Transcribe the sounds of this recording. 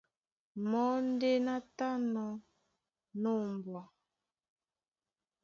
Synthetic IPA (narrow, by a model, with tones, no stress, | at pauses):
mɔ˨˦n˦de˦na˦ta˦nɔ˨ | no˦˨m˨bwɔ˨